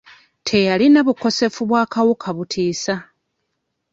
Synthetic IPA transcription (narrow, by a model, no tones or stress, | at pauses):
tʰe̞jalinaβuko̞se̞fuβwaːkawukʰaβutʰiːsa